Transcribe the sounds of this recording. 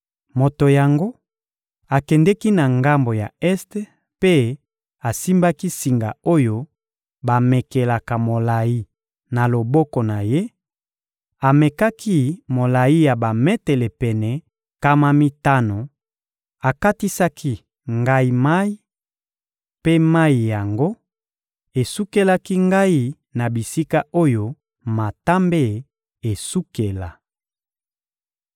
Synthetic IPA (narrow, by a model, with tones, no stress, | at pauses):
mo˨to˨ja˨ŋɡo˦ | a˨kɛ˨ndɛ˦ki˦na˨ŋɡa˦mbo˨ja̰˨ɛ˦st | pe˦ | a˨si˦mba˦ki˦si˨ŋɡa̰˨o˦jo˦ | ba˨mɛ˨ke˨la˨ka˨mo˨la˨ji˦ | na˨lo˨bɔ˦ko˨na˨je˦ | a˨mɛ˨ka˦kʰi˦mo˨la˨i˦ja˨ba˨mɛ˦tɛ˨le˨pɛ˨nɛ˨ | ka˦ma˦mi˦ta˦no˨ | a˨ka˦ti˦sa˦kʰi˦ | ŋɡa˦i˦ma˦i˦ | pe˦ma˦i˨ja˨ŋɡo˦ | e˨su˦ke˦la˦ki˦ŋɡa˦i˨ | na˨bi˨si˦ka˦o˦jo˦ | ma˨ta˦mbe˦˨ | e˨su˦ke˨la˨